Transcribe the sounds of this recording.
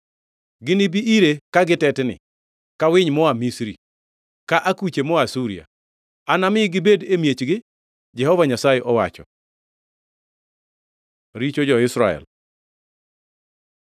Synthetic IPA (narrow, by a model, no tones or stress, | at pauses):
ɡɪnɪbiʔiɾekaɡɪtɛtnɪ̰ | kawɪɲmɔamisɾi | kaʔakut͡ʃemɔasuɾḭa̰ | anamɪɡɪbedemjet͡ʃɡɪ | d͡ʒɛhɔvaɲasajeʔɔwa̰t͡ʃɔ̰ | ɾit͡ʃod͡ʒɔɪsɾaɛ̰l